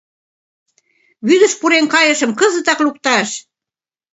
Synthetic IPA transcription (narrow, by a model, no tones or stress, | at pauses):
βyðə̆ʃpuɾeŋkɑjə̆ʃə̆mkɤzə̆t̪ɑklup̚t̪ɑʃ